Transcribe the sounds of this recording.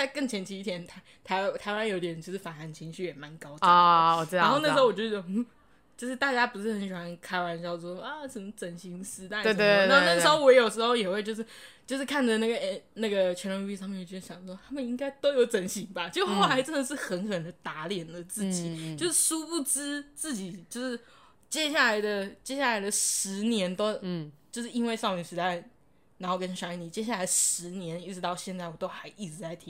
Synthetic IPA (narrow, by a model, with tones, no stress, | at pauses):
a˥˩ɪkə˥˩ŋt͡ɕʰjɛ˧˥nt͡ɕʰi˧˥i˥t̪ʰjɛ˧˥nt̪ʰa˥ | t̪ʰa˧˥ɪ˥˩t̪ʰa˧˥ɪwa˥˦nji˥˧t̪ɛ˨˩˨t͡ɕjo˥˧ʂɻ̩˥˩fa˨˩na˧˥nt͡ɕʰi˧˥ŋɕy˥˩jɛ˨˩ma˧˥˦nkɑ˥ʊt͡ɕɔ˨˩˧a˦˧xo˥˧na˥˩ʂ̩˧o˥ʊwɔ˨t͡ɕo˧˥˩ | t͡ɕjo˥˧ʊʂɻ̩˥˧t̪a˥˩t͡ɕja˥pu˧˥ʂɻ̩˥˩xə˧˥nɕi˨˩xwa˧˦nkʰa˥ɪwa˧˥nt͡ɕjɑ˥˧ʊ˥˩ɔ˥a˧ʂə˧˥mə˧˩t͡sə˧˩nɕi˧˥ŋsɹ̩˧˥t̪a˥˩e˥˧a˧˥o˥˧na˥˩ʂ̩˧˥xo˥ʊwɔ˧˥jo˨˩ʊʂɻ̩˧˥xo˥˧ʊjɛ˨˩xwe˥˧ɪt͡ɕjo˥˧ʊʂɻ̩˥˩t͡ɕjo˥˧ʊʂɻ̩˥˩kʰa˥˩nd͡zə˨˩na˥˩ɡə˩e˥˩na˥˩ɡə˩t͡ɕʰɥɛ˧˥nɔ˥i˥i˥˧sɑ˥˧mɛ˥˩˨ɔ˧˥˩ɕjɑ˨˩ŋ˩ʂwɔ˥t̪ʰa˥mə˨ni˥ŋka˥ɪt̪o˥ʊjo˧˥ʊt͡sə˨˥nɕi˨˩ŋba˧t͡ɕo˥˧˩xo˥˩ʊla˧˥ɪʈ͡ʂə˥˩nd̪ə˩ʂ̬ɻ̩˥˩xə˧˥nkʰɤ˨˩nə˧ŋnd̪ə˧t̪a˧˥ljɛ˨˩nd̪ə˦t͡sɹ̩˥˩t͡ɕi˨˦t͡ɕjo˥˧ʊʂɻ̩˥˩ʂu˥pu˥˩t͡s̩˥t͡sɹ̩˥˩t͡ɕi˨˩t͡ɕjo˥˧ʊʂɻ̩˥˩ | t͡ɕjɛ˥ɕja˥˩la˧˥ɪd̪ə˧t͡ɕjɛ˥ɕja˥˩la˧˥ɪd̪ə˧ʂɻ̩˧˥njɛ˧˥nt̪o˥ʊt͡ɕjo˥˧ʊʂɻ̩˥˩i˥nwe˥˧ɪʂɑ˥˩ʊy˨˩ʂɻ̩˧˥t̪a˥˧˩ɪ | na˧˥nxo˥˩ʊkə˥˦n˧ʂa˧˥˩ni˨˩t͡ɕjɛ˥ɕ̬ja˥˩la˧˥ɪʂɻ̩˧˥njɛ˧˥ni˥˩ʈ͡ʂɻ̩˧˥t̪ɑ˥˧ʊɕjɛ˥˧nt͡sa˥˩wɔ˨˩t̪o˥ʊxa˧˥ɪʔi˥˩ʈ͡ʂɻ̩˧˩t͡sa˧˥ɪt̪ʰi˦˥